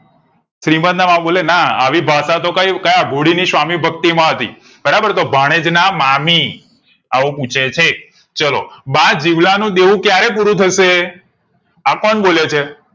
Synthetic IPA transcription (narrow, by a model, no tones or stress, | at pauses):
ʃɾiməd̪namãɓolenaa̰ʋibʱasat̪okaikəjaɡʱoɽinisʋamibʱək̚t̪imãɦət̪ḭ | bəɾabəɾt̪obʱaɽ̃ed͡ʒnamami | aʋõpũt͡ʃʰet͡ʃʰek̚ | t͡ʃəlo̰bãd͡ʒiʋlanũd̪eʋũkjaɾep̬uɾũt̪ʰəʃe | akɔnboljet͡ʃʰe